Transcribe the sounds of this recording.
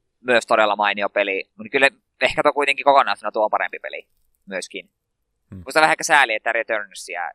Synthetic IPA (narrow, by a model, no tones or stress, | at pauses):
myøst̪odɾelːɑmɑiniopelimut̪kylː | ehkæt̪okuit̪eŋkikokonˑɑˑːst̪unɑt̪uoompɑ̰ḛmpipḛlḭ | myøskin | muˑist̪ɑʋæhæekːˑæsæːliet̪ːæret̪ørnsiæ̰